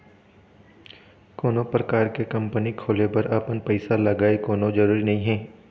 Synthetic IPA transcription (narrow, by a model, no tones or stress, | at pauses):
koːnõpɾɐkaːɾkekɐ̃mpənikʰoːlepɐɾɐpənpɐɪsalɐɡaːekoːnõd͡ʒɐɾuːɾinɐɦĩɦɛ̃ː